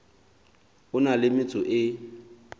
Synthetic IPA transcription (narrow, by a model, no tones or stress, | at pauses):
ʊnalɪmɪt͡sʼʊʔɪ